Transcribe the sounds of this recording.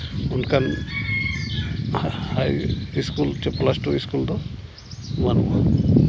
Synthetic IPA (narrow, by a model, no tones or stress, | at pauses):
unkʰan | hajiskult͡ʃɛplasʈuiskuld̪ɔ | manṵa̰